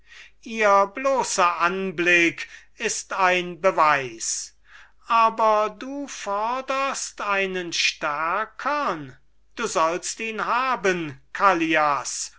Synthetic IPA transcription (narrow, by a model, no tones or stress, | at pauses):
ʔiːɐbloːsɐʔanblɪk | ɪstaɪnbəvaɪs | ʔaːbɐduːfɔɐdəstaɪnənʃtæɐkʰɐn | d̥uːzɔlstiːnhaːbənkʰalias